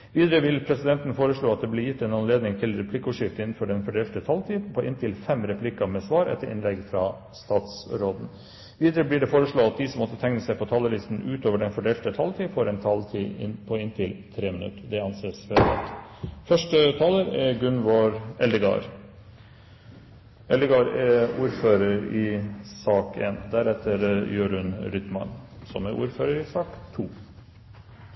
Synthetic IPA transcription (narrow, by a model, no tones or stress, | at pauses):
ʋiːd̪əɾəʋɪlpʰɾɛsɪd̪ɛnt̪n̩foːɾəʂɭoːɑt̪̚d̪ɛblɪɾjɪt̪ːeːnɑnleːd̪nɪŋt̪ʰɪlɾɛpʰlɪkːəuːʂɪft̪əɪnn̩fɔɖɛnfɔɖeːlt̪ət̪ʰɑlt̪ʰiːpʰɔʔɪnt̪ʰɪlfɛmɾɛpʰlɪkɑmeːsʋɑːɾɛ̰t̪ːəɾʔɪ̰nlɛɡfɾɑ | st̪ɑːt̪sɾoːd̪n̩ | ʋiːd̪ɾəblɪːɖɛfoːɾəʂɭoːɑt̪̚d̪isɔmːɔt̪ːət̪ʰɛŋnəsæɪpɔt̪ʰɑːləlɪst̪n̩ʉːt̪oːʋəɖɛnfɔɖeːlt̪ət̪ʰɑlt̪ʰiːfoːɾɛnt̪ʰɑlt̪ʰḭːɪpʰɔɪnt̪ʰɪlt̪ʰɾeːmənʉ̰t̪əd̪ɛɑnseːsʋɛɑ̰t̪fœʂʈət̪ʰɑːləɾɛɡʉnʋoɾɛld̪əɡɑ̰ːɾ | ɛld̪əɡɑːɾɛuːɾføːɾəɾɪsɑːkʰḛːnd̪æɾɛt̪ʰːəɾjøːɾʉnɾʏt̪mɑ̰nsɔ̰mɛʔṵːɾføːɾəɾɪsɑːkt̪ʰuː